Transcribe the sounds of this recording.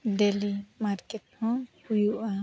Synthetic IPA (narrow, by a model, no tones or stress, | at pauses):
ɖelimaɾkeʈfɔm | ujua